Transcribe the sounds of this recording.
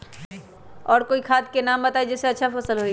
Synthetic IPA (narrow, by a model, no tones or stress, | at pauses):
ɔːɾkoːikʰaːd̪̚kenaːmbət̪aːid͡ʒɛːseɐtːʃʰafəsəlɦoi